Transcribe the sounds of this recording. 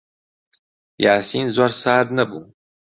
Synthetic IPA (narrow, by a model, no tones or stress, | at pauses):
jaːsiːnzoːɾsaːd̪nɐbuː